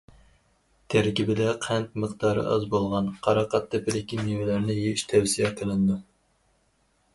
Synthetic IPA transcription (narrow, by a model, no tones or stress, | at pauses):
t̪ʰɛɾkʲibɪd̪ɛqʰɛnt̪̚məqd̪ɑːɾɨ̰ʔɑ̰zbolˠʁɑnqʰɑɾɑqʰɑt̪ʰːɪpɪd̪ɪkʲiniwɪlæɾnɪjeiʃt̪ʰɛwsijɛqʰəlɪnd̪u